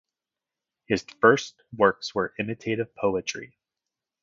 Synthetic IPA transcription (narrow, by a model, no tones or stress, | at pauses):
hɨz̥fɜ˞st̚wɜ˞kswə˞ʔɪ̃mɨtʰeɪɾɨv̥pʰoʊət͡ʃɹ̥ḭ